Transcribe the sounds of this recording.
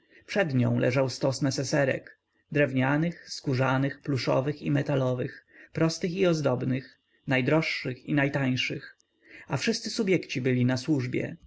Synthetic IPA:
pʂɛd̪ɲɔ̃w̃lʔɛ̰ʐawst̪ɔsnɛsɛsɛɾɛ̰k | d̪ɾɛvɲanɘxskuʐanɘxpluʂɔ̰vɘximɛt̪alɔvɘxpɾɔst̪ɘxiɔzd̪ɔbnɘx | najd̪ɾɔʂːɘxinajt̪aj̃ʂɘx | afʂɘst̪sɘsubʲjɛkt͡ɕibɘlʲinaswuʐbʲjɛ̰

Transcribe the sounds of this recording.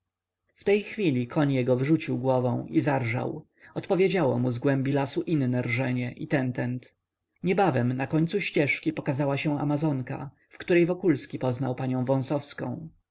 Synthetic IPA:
ft̪ɛjxfʲilʲikʰɔɲjɛɡɔvʐut͡ɕiwɡwɔvɔ̃w̃izaɾʐa̰w | ɔt̪pɔvʲjed͡ʑawɔ̰muzɡwɛmbʲilasuʔinnɛɾʐɛɲɛʔit̪ɛnt̪ɛnt̪ | ɲɛbavɛmnakɔɲt̪suɕt͡ɕɛʂkʲipɔkazawaɕɛ̃a̰mazɔŋka̰ | fkt̪uɾɛjvɔkulskʲipɔznawpaɲɔ̃w̃vɔ̃sɔfskɔ̰̃w̃

